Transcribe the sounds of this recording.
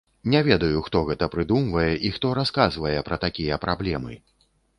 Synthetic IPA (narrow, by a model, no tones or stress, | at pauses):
nʲɛvʲɛd̪ɐjuxt̪ɔɣɛt̪ɐpɾɨd̪umvɐjɛʔixt̪ɔɾaskazvɐjɛpɾɐt̪akʲijɛpɾablʲɛmɨ